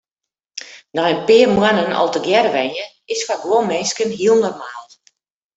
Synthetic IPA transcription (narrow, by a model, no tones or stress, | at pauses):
nɔjənpɪərmwanənɔ̰lˠtəɡjɛrʋɛnjə | ɪsfaɡwomeskənɦiəlˠnɔrmaːlˠ